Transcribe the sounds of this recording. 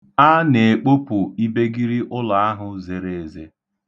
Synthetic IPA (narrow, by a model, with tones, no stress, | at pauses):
a˦ne˨e˨k͡po˦pʊ˨i˦be˦ɡi˦ɾi˦ʔʊ˦la˨a˦ɦʊ˨ze˨ɾe˨e˨ze˨